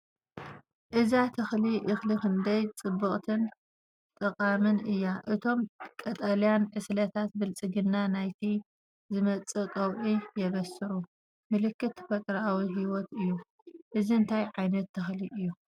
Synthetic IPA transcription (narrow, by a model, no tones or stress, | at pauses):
ʔɨzat̪ʰɐxliʔɨxlikɨnd̪ɐjt͡sʼɨbːɨχʼt̪ʰɨn | t̪ʼɨqʼamɨnɨjːaʔɨt̪ʰo̞mkʼɐt̪ʼɐlijanʕɨslɐt̪ʰat̪̚bɨlt͡sʼɨɡɨnːanajt̪ʰi | zɨmɐt͡sʼɨkʼɐwʕijɛβɐsɨɾu | mɨlɨkːɨt̪ːfɐk̪ʼɾawiɦiwɔt̪ɨjːu | ʔɨziɨnt̪ʰajʕajnɐt̪ʰːɐxliʔɨjːu